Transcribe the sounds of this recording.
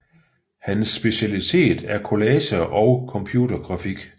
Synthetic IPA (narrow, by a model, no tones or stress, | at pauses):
hænsːb̥e̝ɕælit͡sʰe̝̰ːd̥æɐkʰo̝lɛːɕɐʔɒʊkʰɒ̽mpʰjuːdɐɡ̥ʁɑ̈fiɡ̥